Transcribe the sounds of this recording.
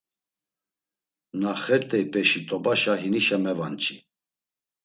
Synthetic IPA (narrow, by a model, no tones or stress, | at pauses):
naχɛɾt̪ʼɛipʼɛʃit̪ʼɔbaʃaɦiniʃamɛvant͡ʃʰʼi